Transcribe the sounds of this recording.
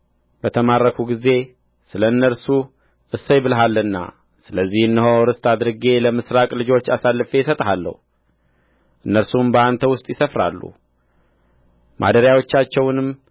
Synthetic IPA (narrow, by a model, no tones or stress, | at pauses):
bət̪ʰəmarːəkʰuɡize̞ | sɨləɨnːəɾsu | ʔɨsːəjbɨlɦalːɨnːa̰ | sɨləzːihɨnːəɦoɾɨst̪ʰʼad̪ɾɨɡe̞ləmɨsɾakʼlɨd͡ʒo̞t͡ʃːasalːɨfesət̪ʼɦalːə̰hu | ʔɨnːəɾsumbəant̪ʰəwʊst̪ʼjɪsəfɾa̰lːṵ | mʔa̰d̪əɾjawo̞t͡ʃːat͡ʃːɛwnɨm